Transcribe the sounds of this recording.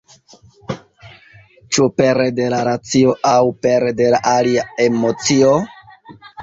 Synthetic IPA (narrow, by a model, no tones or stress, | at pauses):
t͡ʃupe̞ɾede̞laɾat͡sio̞ʔawpe̞ɾede̞laʔaliaemo̞t͡sio